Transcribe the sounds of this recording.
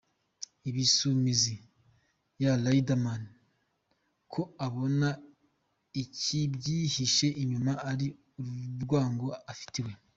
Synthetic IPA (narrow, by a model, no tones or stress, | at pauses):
iβisumizi | jalaidaman | kʰo̞aβo̞na | icibɟihiʃe̞ʔiɲumaʔaɾi | uɾuɾɡwaːŋɡo̞afi̥tiwe̞